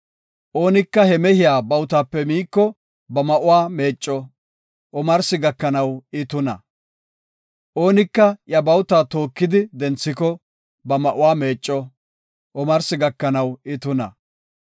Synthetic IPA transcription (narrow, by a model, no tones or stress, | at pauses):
ʔo̞ːnɪkːɐhɛmɛhɪjaːbɐwʊt̪aːpːɛmiːkːɔ | bɐmɐʔʊwaːme̞ːt͡ʃʼːɔ | ʔɔmɐɾsɪɡɐkːɐnɐwɪt̪ʊnɐ̰ | ʔo̞ːnɪkːɐjɐbɐwt̪aːt̪o̞ːkːɪd̪ɪd̪ɛnt͡sːɪkɔ | bɐmɐʔʊwaːme̞ːt͡ʃʼːɔ | ʔɔmɐɾsɪɡɐkːɐnɐwɪt̪ʊnɐ̰